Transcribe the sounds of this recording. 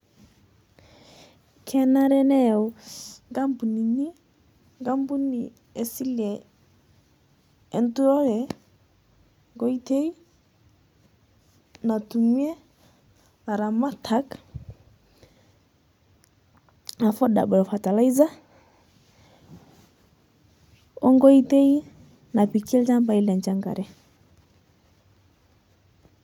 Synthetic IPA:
kʰɛ˦na˦ɾɛ˦nɛ˦˨u˨ŋɡa˦mbu˨ni˨ni˦ | ŋɡa˦mbu˦ni˨ | e˨si˦lɛ˨˦ | ntu˦ɔ˦ɾɛ˨ | ŋɡɔ˦i˦te˦i˦ | na˨tu˨ŋi˦ɛ˦ | na˨ɾa˨ma˦tʰa˦k | a˨fɔ˦ɗa̰˨bɔ˨ɔ˨fa˨ta˨la˦i˦za˦ | ɔ˦ŋɡɔ˦i˦te˦i˦ | na˨pi˨kʰi˦ld͡ʒa˦mba˨i˦lɛ˨ɲd͡ʒa˦ŋɡa̰˨ɾɛ˦

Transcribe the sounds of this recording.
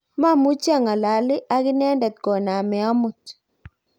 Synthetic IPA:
ma˦˨mu˦t͡ʃja˦˨ŋa˨la˨lɪ˦ʔa˦ɡɪ˦nɛ˦ndɛ˨t̪̚ɡɔ˨na˨mɛ˨ɔ˦mʊ˨t

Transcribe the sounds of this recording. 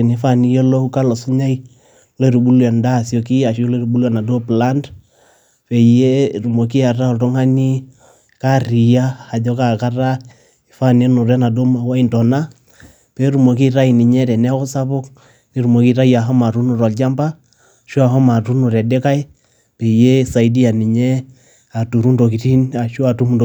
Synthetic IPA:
ni˨fa˦˨ni˦jɔ˦lo˦hu˦ka˦lɔ˨su˦ɲa˦i˦ | le˦˨ɾu˨bu˦lɛ˨nda˦˨sjo˨ki˦a˨ʃle˦ɾu˨bu˦lɛ˨na˨do˦pla˦nd | pɛ˨je˦ɾu˨mo˨k̬i˦a˨ra˦ɔ˨ltɔ˦ŋa˦ni˦ | ka˦ɾi˨ja˦ha˨d͡ʒɔ˦ka˨ka˦ra˦ | ɪ˨fa˦ne˦nu˨ɾɛ˦na˨do˦ma˨wa˦i˨ntɔ˨na˦ | pɛ˨˦ɾu˨mo˨ki˦ɾa˦i˨ni˨ɲɛ˦tɛ˨nɛ˦kɔ˦sa˦pʊ˦k | ni˦ɾu˨mo˨ki˦ɾa˦ja˨ɦɔ˦ma˨ɾu˦nu˨ɾɔ˨ld͡ʒa˦mba˦ | ʃu˦a˨ɦɔ˦ma˨tu˦nu˨ɾɛ˨de˦ka˦j | pɛ˨je˦sa˨i˨di˦a˨ni˨ɲɛ˦ | a˨tu˨ɾu˦ndo˨ki˨ti˦na˨ʃu˦a˨tu˦mu˨nd

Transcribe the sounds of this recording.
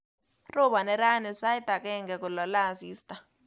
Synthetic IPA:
rɔ˦ɓa˨nɛ˨ɾa˦nɛ˨sa˦i˦ta˨kɛ˦ŋɡɛ˨ku˨lɔ˨la˦˨ziː˦stʼḁ˨

